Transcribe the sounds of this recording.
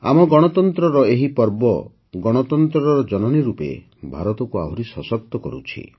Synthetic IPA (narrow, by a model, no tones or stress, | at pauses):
a̰mɔɡɔɽ̃ɔt̪ɔnt̪ɾɔɾɔeɦipɔɾbɔ | ɡɔɽ̃ɔt̪ɔnt̪ɾɔɾɔɾɔd͡ʒɔnɔniɾupḛ | bʱaɾɔt̪ɔkuabʱuɾisɔsɔp̚t̪ːɔkɔɾṵt͡ʃʰḭ